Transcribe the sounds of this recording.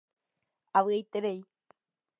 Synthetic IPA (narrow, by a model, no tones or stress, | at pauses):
aβɨejt̪eɾej